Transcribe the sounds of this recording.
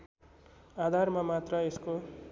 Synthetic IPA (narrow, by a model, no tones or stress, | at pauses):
ad̪ʱarmamat̪rʌesko